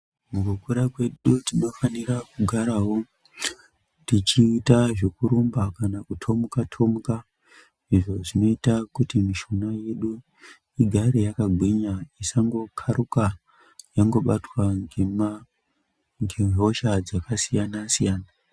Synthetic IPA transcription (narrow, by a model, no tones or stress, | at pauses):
muɡʱokuɾakwe̞ɗutino̞fanirakuɡʱaɾawo̞ | tit͡ʃiːtaʐekuɾumbakanakutʰo̞mukatʰo̞muka | iʐo̞ʐino̞itakutimiʃunaje̞ɗu | iɡʱaɾejakaɡʱwiɲaisaŋɡo̞kʰaɾuka | jaŋɡo̞ɓatwaŋema | ŋɡemo̞ʃad͡zakasijanasijaːna